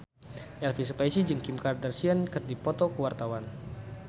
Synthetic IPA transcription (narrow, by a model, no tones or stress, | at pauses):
ʔɛlfisupajsid͡ʒɨŋkimkardərsiankɨrdipɔt̪ɔkəwart̪awan